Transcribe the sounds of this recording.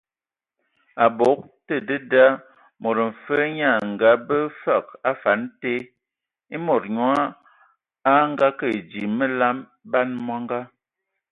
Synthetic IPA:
a˨bo˨˦k̚tə˦˨də˦da˦ | mo˨ɾə˨ɱ̩˨fə˦ɲa˦˨ŋ˨ɡa˨˦bə˦fa˦˨k̚a˦fa˨˦nte˦ | i˦mɔ˨ɾɲwa˦ | a˦ŋ˦ɡa˦kə˦˨d͡ʒi˨mə˦la˦m | ba˦nmwa˦ŋ˦ɡa˦

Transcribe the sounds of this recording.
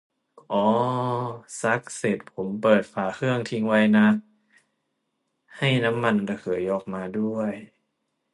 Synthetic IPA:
ʔɔː˧˩ | sa˦˥k̚se˨˩t̪̚pʰo˩˦mpɤː˨˩t̪̚faː˨˩kʰɯ˥˩əŋt̪ʰi˧ŋwa˦˥jna˦˥k̚ | ha˥˩jna˦˥mːa˧n˧d̪a˧kʰɯ˩˦jʔɔː˨˩k̚maː˧du˥˩əj

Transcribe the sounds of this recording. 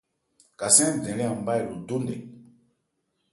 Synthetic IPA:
ka˨sɛ̃˦˨dɛ̃˨lɛ̃˦a˨m˦ba˦i˨lu˨do˦ndɛ̰˨

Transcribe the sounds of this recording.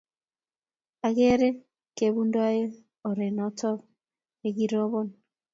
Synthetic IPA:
a˨ɣe˦ɾe˦ | ke˨βu˦ndwa˦je˦ | o˨ɾe˨nɔ˦tɔ˦ | e˨ɣi˦ɾo˦βo˦n

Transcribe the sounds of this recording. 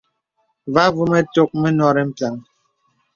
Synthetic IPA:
va˦vu˦mɛ˦to˦k̚me˦nɔ˦ɾe˦m̩˦pa˨ŋ

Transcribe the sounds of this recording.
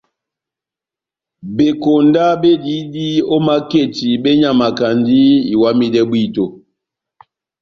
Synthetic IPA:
be˨ko˨nda˦be˦di˨˦di˦o˦ma˦ke˦˨ti˨bɛ˦ɲa˦˨ma˨ka˨ndi˦i˨wa˦mi˦dɛ˦bwi˦˨to˨

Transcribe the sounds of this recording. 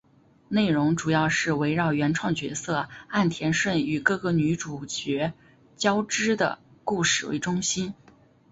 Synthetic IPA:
ne˥˩ɪɻʊ˧˥ŋʈ͡ʂu˨˩jɑ˥˧ʊʂɻ̩˥˩we˧˥ɪɻɑ˥˩ʊɥɛ˧˥nʈ͡ʂʰwɑ˥˩ŋt͡ɕɥɛ̰˧˥sɤ˥˧a˥˩nt̪ʰjɛ˧˥nʂwə˥˩ny˨˩kɤ˥˩ɡɤ˧˥ny˧˥ʈ͡ʂu˨˩t͡ɕɥɛ˧˥ | t͡ɕjɑ˥ʊʈ͡ʂɻ̩˥d̪ə̰˨˩ku˥˧˩ʂɻ̩˥˩wḛ˧˥ɪʈ͡ʂʊ˥ŋɕi˥n

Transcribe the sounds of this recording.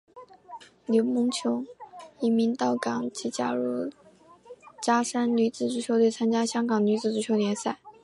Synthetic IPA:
ljo˧˥ʊmʊ˧˥ŋt͡ɕʰjo˧˥ʊi˧˥mi˧˥nt̪ɑ˥˩ʊkɑ˨˩˦ŋt͡ɕʰi˧˥t͡ɕja̰˥ɻu˥˩ | t͡ɕja˥ʂa˥nny˧˥t͡sɹ̩˥˩ʈ͡ʂu˧˥˩t͡ɕʰjo˧˥ʊt̪wɪt͡sʰa˥nt͡ɕja˥ɕjɑ˥ŋɡɑ˨˩ŋny˧˥t͡sɹ̩˥˩ʈ͡ʂu˥˩t͡ɕʰo˧ʊljɛ˧˥nsa˥˩ɪ

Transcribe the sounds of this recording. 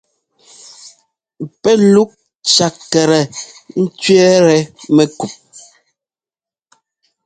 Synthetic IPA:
pɛ˦lu˦k̚ | t͡ʃa˨k̚tɛ˨ɾɛ˨n̩˦t͡ʃɥɛ˦ɾɛ˨mɛ˦ku˨p̚

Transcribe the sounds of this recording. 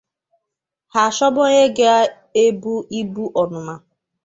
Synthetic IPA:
ha˨ʃɔ˦bʊ˦ɲe˦ɡe˦a˦ | e˦bu˦i˦bu˦ʔɔ˨nʊ˨ma˨

